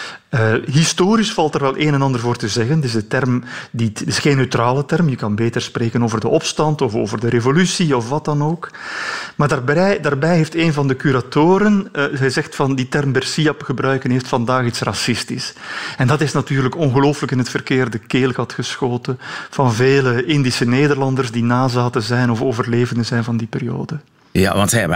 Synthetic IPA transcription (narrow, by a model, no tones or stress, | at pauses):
əɦistoːɾisfɑlˠtərʋɛlˠʔeːnɛnɑndərvoːrtəzɛɣəntɪzdətɛrmditɪsxeːnːøɥtraːlətɛrmjəkɑnbeːtərspreːkənoːvərdəʔɔpstɑntɔfo̰ːvərdəɾevolysiɔfʋɑt̚ɑnoːk | maːrdaːrbɛdaːrbɛjɦeːfteːnvɑndəkyɾatoːɾənzɛjzɛxtfɑnditɛrmbɛrsiɑpxəbrœɥkənɦeːftfɑndaːxitsrɑsɪstisɛndɑtɪsnatyːrləkɔnɣəloːfələkɪnɦətfərkeːrdəkeːlˠɣɑtxəsxoːtəv̥ɑnveːləʔɪndisəneːdərlɑndərzdinaːzaːtəzɛjnɔfoːvərleːvəndəzɛjnvɑndiperijo̰ːdə | ja̰ʋɑ̰ntsɛ